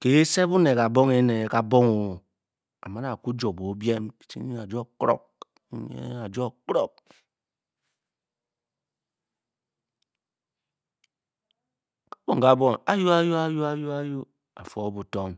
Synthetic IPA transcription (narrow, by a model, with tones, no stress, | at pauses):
ke˨e˦se˦bu˦ne˨ka˨bo˦ŋe˦ne˨e˦ka˨bo˦ŋo˨ | a̰˨ma˦na˨ku˦d͡ʒo˨bo˨˦bje˦mi̥˨t͡ʃḭ˦i˦ŋa˨d͡ʒo˦kɾo̰˦k̩̚˦ | ɲḛ˦a˨d͡ʒo˦˨kɾo˦k̚ | ka˦bo˨ŋ˨ka˨bo˦ŋa˨˦ju˦a˦ju˦a˦ju˦a˦ju˦a˦ju˦ | a̰˨fo˦bu˨to˦m